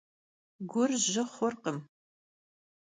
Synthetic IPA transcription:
ɡʷʊrʑɐχʷɔrqəm

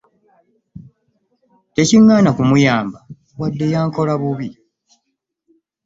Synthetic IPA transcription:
te̞ciŋːaːnakumujaːmba | wadːe̞jaːŋko̞laβuβi

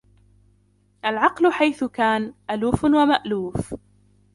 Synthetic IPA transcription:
ʔalʕɑqlʊħajθʊkaːnʔaluːfwamaʔluːf

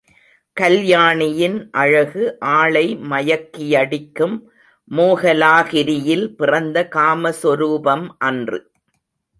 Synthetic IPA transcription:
kɐljaːɳɪjɪnʔɐɻɐɣɯʔaːɭɐɪmɐjɐkːɪjɐɽɪkːɯmː | oːɣɐlaːɣɪɾɪjɪlpɪrɐnd̪ɐkaːmɐsɔɾuːbɐmʔɐndrɯ̰

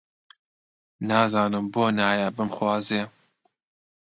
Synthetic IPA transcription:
nɑːzɑːnɨmboːnaːjabɨmxwɑːzeː

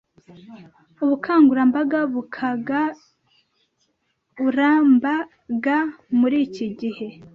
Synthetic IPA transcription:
uβukʰaːŋɡuɾambaɡaβukʰaɡa | uɾamba | ɡamuɾiːciɟihe̞

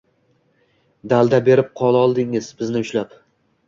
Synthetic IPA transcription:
d̪alˠd̪abe̞ɾɪp̚qʰɒlˠaɒlˠd̪ɪŋɪzbɪznɪʊʃlap

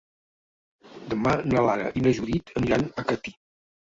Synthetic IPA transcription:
d̪əmanalaɾə̰ʔinəʒuðit̪ʰəniɾanəkət̪i̥

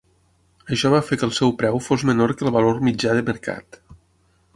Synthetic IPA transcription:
əʃɔβ̞afekəlˠsɛwpɾɛwfozmənoɾkəlˠβəloɾmid͡ʒaðəməɾka̰t̪

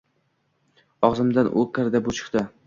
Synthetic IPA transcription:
ɒʁzɪmd̪anʔo̰kʲʰaɾd̪abʊt͡ʃʰɨ̥χt̪ɪ

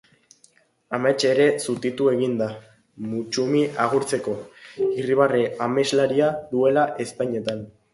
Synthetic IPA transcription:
amat͡ʃe̞ɾe̞sut̪it̪ue̞ɣ̞ind̪a | mut͡ʃumiʔaɣ̞uɾt͡se̞ko̞iriβ̞areame̞zlaɾiaðue̞laʔe̞st̪aɲe̞t̪an

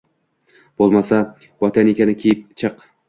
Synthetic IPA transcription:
b̥olˠmasa | wɒt̪ʰanekʲanɪkʲʰejɪp̚t͡ʃʰɨq

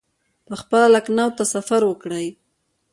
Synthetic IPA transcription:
pəxpəlalaknawt̪asafaɾwəkɽəj

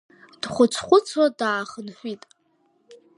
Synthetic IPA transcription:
d̥χʷʊt͡ɕʷʰχʷʊt͡sʰwadaːχənħʷᶣitʼ

